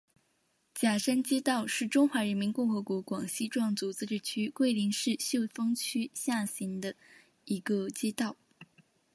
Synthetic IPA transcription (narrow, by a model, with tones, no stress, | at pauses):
t͡ɕja˨˩ʂə˥nt͡ɕjɛ˥t̪ɑ˥˧ʊʂɻ̩˥˩ʈ͡ʂʊ˥ŋxwa˧˥ɻə˧˥nmi˧˥nkʊ˥˩ŋxɤ˧˥kwɔ˧˥kwɑ˨˩ŋɕi˥ʈ͡ʂwɑ˥˩ŋt͡su˧˥t͡sɹ̩˥˧ʈ͡ʂɻ̩˥˩t͡ɕʰy˥kwe˥˩ɪli˧˥ŋʂɻ̩˥˧ɕjo˥˩ʊfɤ˥ŋt͡ɕʰy˥ɕja˥˩ɕi˧˥nd̪ə˧ | i˧˥ɡə˧t͡ɕjɛ˥t̪ɑ˥˩ʊ